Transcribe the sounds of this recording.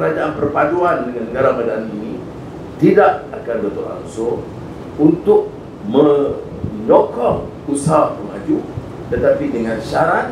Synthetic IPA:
kəɾad͡ʒaanpərpad͡ʒuandəŋanːəɡaɾamadanini | t̪idaʔ̚akanbət̪ura̰ŋso | unt̪ʊk̚ | mə̃ | ɲokɔŋ | usaapəmad͡ʒu | t̪ət̪apidəŋãnʃaɾat̪̚

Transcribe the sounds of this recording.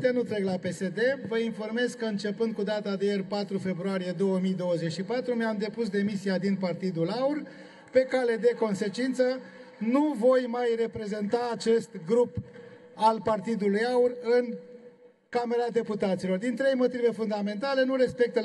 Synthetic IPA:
t̪enut̪ɾe̞klape̞se̞d̪e̞vəinfo̞rme̞zkəɨnt͡ʃe̞pɨnd̪̚kud̪at̪ad̪ejerpat̪ɾufe̞bɾuaɾije̞d̪o̞wəmijd̪o̞wəze̞t͡ʃʃipat̪ɾumeamd̪e̞pus̬d̪e̞misiad̪inpart̪id̪ulaur | pe̞kale̞d̪e̞ko̞nse̞t͡ʃint̪sə | nuvo̞jmajre̞pɾe̞ze̞nt̪aːt͡ʃe̞st̪ɡɾup | alpart̪id̪ulujaurɨn | kameɾad̪e̞put̪at̪silo̞rd̪int̪ɾe̞jmo̞t̪ive̞fund̪ame̞nt̪ale̞nuɾe̞spe̞k̚t̪ə

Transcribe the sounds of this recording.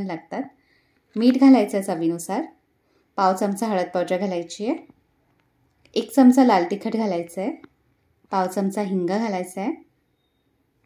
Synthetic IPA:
nlaɡt̪at̪ | miːʈɡʱalajt͡sət͡saʋinusaɾ | pawt͡səmt͡saɦəɭət̪̚pəɾd͡ʑəɡʱalajt͡ɕije | ekt͡səmt͡salalʈ̪ikʰəʈɡʱalajt͡sə | pawt͡səmt͡saɦiŋɡaɡʱalajt͡səe

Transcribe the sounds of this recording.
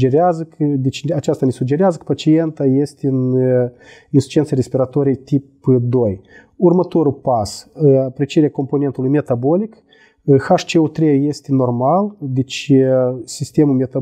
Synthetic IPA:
d͡ʒeɾeazəkd̪et͡ʃat͡ʃast̪anesuɡd͡ʒe̞ɾeazəkə̥pat͡ʃie̞nt̪aje̞st̪ʲeɨn | insu̥t͡ʃient̪seɾespiɾat̪o̞ɾijejt̪ipd̪oj | urmət̪o̞ɾupasapɾet͡ʃeɾeako̞mpo̞nent̪ulujme̞t̪abo̞lʲik | xaʂt͡ʃeot̪ɾeje̞st̪ʲeno̞rmald̪et͡ʃ | sist̪e̞mumʲet̪a

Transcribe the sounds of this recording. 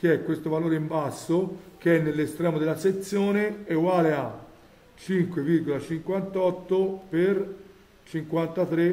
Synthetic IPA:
k̟iɛkːwest̪ovaloːɾeimbasːok̟eɛnːelːest̪ɾɛːmod̪elːaset̪sːjoːneeɡwaːlea | t͡ʃiŋkweviɾɡolat͡ʃiŋkwant̪ɔt̪ːoper | t͡ʃiŋkwant̪at̪ɾe

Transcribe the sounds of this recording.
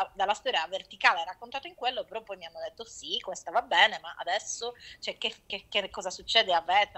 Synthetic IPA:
ad̪alːast̪ɔːɾjavert̪ikaːleɛrːakːont̪aːt̪oiŋkwelːopeɾɔpːɔjmianːod̪et̪ːosikːomest̪avabɛːnemaʔa̰d̪ɛsːot͡ʃoɛk̟ːefkːekːekːɔːzasut͡ʃːɛːd̪eavɛːt̪

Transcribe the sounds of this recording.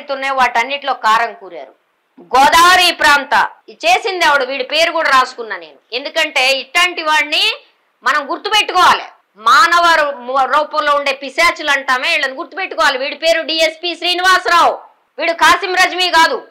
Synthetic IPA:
t̪unːeʋaːʈɐnːiʈlo̞ːkaːɾɐŋkuːɾa̰ːɾu | ɡɔːd̪aːʋɐɾiːpɾaːnt̪ɐ̰t͡ʃe̞ːsind̪ɛːʋɐɽuʋiːɽupe̞ːɾukuːɽaːɾaːsu̥kunːaːneːnue̞nd̪ukɐɳʈe̞ːiʈlɐɳʈiʋaːɽni | mɐnɐmɡuɾt̪upeʈːukɔːʋaːlḭ | maːnɐʋɐɾuɾɔːpɐmlo̞ːuɳɖe̞ːpisaːt͡ʃulɐɳʈaːmeːiɭːɐnɡuɾt̪ːupe̞ʈːukɔːʋaːliʋiːɽupe̞ːɾuɖiːespiːʃɾiːniʋaːsɾaːwu | ʋiːɽukaːsimɾɐd͡ʒmiːɡaːd̪u

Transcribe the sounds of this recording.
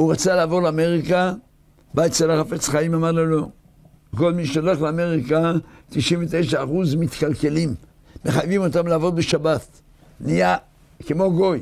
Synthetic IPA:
uʁat͡salaːvo̞ʁleame̞ʁika | baett͡ʃelaχafe̞t͡sχaimamaʁlolo̞ | ko̞lmiʃeoleχleame̞ʁikat̪iʃiɱvet̪ejʃaːχuzmit̪kalke̞limː | eχajvimo̞t̪amlaːvo̞dbeʃabat | nija | kemo̞ɡo̞j

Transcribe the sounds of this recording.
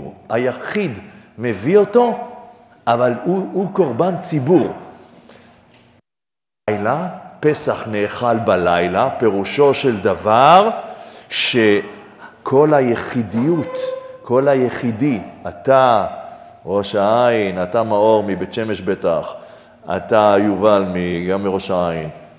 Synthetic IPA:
ajaχid̪me̞vio̞to̞ | ʔavaluuko̞ʁbant͡sibuʁ | jlapesaχneːχalbalajlape̞ʁuʃo̞ʃeld̪avaʁʃe̞ | kʰo̞lajeχid̪ijut̪kʰo̞lajeχidiat̪a | ʁo̞ʃaainatamao̞ʁmibetʃe̞me̞ʃbetaχ | a̰t̪ajuvalmiɡamːiʁo̞ʃaajin

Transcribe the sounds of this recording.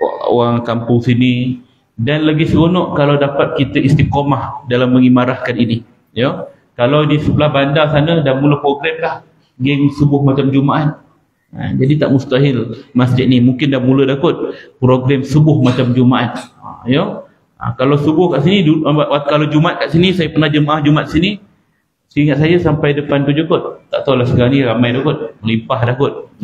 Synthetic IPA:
a̰ʔo̰waŋkampʊŋsini | danlaɡisəɡonɔʔkalawdapat̪̚kit̪əʔist̪ikomahdalamːəŋimaɾahkanini | jo | kalawdisəbəlahbandasanədanmuləpɾoɡɾɛmlah | ɡɛŋsəbʊhmat͡ʃamd͡ʒumaʔat̪̚ | a̰d͡ʒadit̪aʔmust̪aɦɪlmasd͡ʒɪt̪̚nimuŋkɪndamulədakʊt̪̚pɾoɡɾɛmsəbʊhmat͡ʃamd͡ʒumaʔat̪̚a̰jo | a̰kalawsəbʊhkaʔsiniuakalawd͡ʒumat̪̚kaʔsinisajapənahd͡ʒəmaʔahd͡ʒumat̪̚sini | səiŋat̪̚sajasampajdəpant̪ud͡ʒukʊt̪̚ːaʔt̪awlahsəkaaniɾamajdakʊt̪̚məlimpahdakʊt̪̚

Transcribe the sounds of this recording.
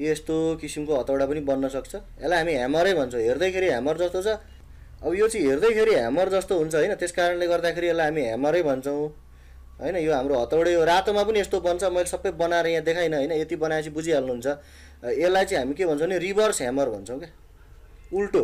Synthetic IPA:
est̪okisimkoɦʌt̪awɽapʌnibʌnːʌsʌk̚t͡sʰʌ | elːajɦamiɦamʌɾʌjbʱʌnt͡sʰʌw̃ɦerd̪ʌjkʰeɾiɦamʌrd͡zʌst̪ot͡sʰʌ | ʌbʌjot͡sʌĩɦerd̪ʌjkʰeɾiɦa̰mʌrd͡zʌst̪oɦunt͡sʰʌɦojnʌt̪eskaɾʌnleɡʌrd̪akʰeɾielːajɦamiɦa̰mʌɾʌjbʱʌnt͡sʰʌw̃ | ɦʌjnʌjoɦamɾoɦʌt̪awɽejoɾat̪omapʌniest̪obʌnt͡sʰʌmʌjlesʌbːʌjbʌnaeɾʌjãd̪ekʰajnʌɦʌjnʌet̪ibʌnajat͡sʰĩbud͡zialnuɦunt͡sʰʌ | elːajt͡sʌĩɦamikebʱʌnt͡sʰõneribʌrsɦamʌrbʱʌnt͡sʰʌ̃w̃ke | ulʈo

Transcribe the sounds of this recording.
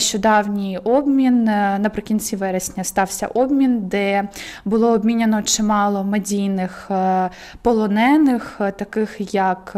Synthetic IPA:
ʃt͡ʃɔd̪ɑwnʲijɔbmʲinnɐpɾɪkʲinʲt͡sʲiʋɛɾesʲnʲɐst̪ɑwsʲɐ̰ʔɔbmʲind̪ɛbʊlˠɔɔbmʲinʲɐnɔt͡ʃɪmɑlˠɔmedʲijnɪx | pɔlˠɔnɛnɪxt̪ɐkɪxjɐk

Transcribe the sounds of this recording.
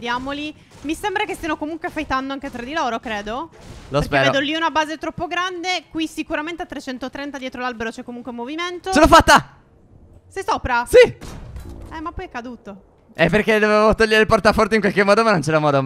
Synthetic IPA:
d̪jaːmoli | misembɾakest̪ianokomuŋkweafajt̪and̪oaŋket̪ɾad̪iloːɾokɾeːd̪olosɾskpeɛːɾeoed̪oliunabaːzet̪ɾɔpːoɡɾand̪ekwisikuɾament̪eat̪ːɾet͡ʃɛnt̪ot̪ɾɛnt̪ad̪jɛːt̪ɾolalbeɾot͡ʃɛkːomuŋkwemoviment̪osonofat̪ːa | sejsoːpɾasi | ɛmapːɔjɛkːad̪uːt̪o | ɛpːerk̟ed̪ovevot̪ɔʎːeɾeilport̪afɔrt̪eiŋkwalkemːɔːd̪omanont͡ʃɛɾamɔːd̪o

